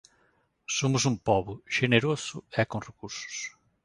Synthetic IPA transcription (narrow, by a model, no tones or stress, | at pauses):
somʊsumpɔβʊʃeneɾosʊɛkonrekuɾsʊ̥s